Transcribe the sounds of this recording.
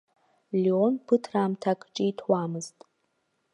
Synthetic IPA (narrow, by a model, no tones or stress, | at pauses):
lionpʰɨtʰraːmtʰakʼt͡ʃʼitʰwaːmɨztʼ